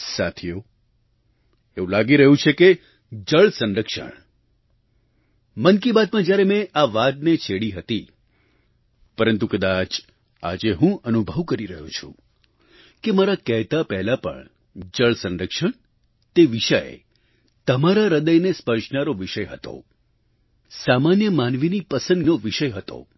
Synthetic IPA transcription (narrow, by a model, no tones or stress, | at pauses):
sat̪ʰijo | eũlaɡiɾəɦũt͡ʃʰeke | d͡ʒəɭsənɾəkʃə̰ɳ | mənkibat̪̚mãd͡ʒjaɾemɛ̃ʔaʋat̪net͡ʃʰeɽiɦət̪i | pəɾənt̪ukəd̪at͡ʃ | a̰d͡ʒeɦũənubʱəʋkəɾiɾəɦũt͡ʃʰṵ̃ | kemaɾakəɦt̪apɛɦlapə̰ɳ | d͡ʒəɭsənɾəkʃəɳ | t̪eʋiʃəjḛ | t̪əmaɾaɾəd̪əjnespəɾʃnaɾoʋiʃəjɦət̪o̰ | samanjəmanʋinipəsə̃nd̪noʋiʃəjɦət̪o̰